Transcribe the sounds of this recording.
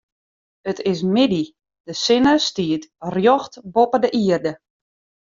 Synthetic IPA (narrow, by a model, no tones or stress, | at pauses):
ətɪs̬mɪdi | d̥əsɪnəstiətrjɔxtbopədəʔiərdə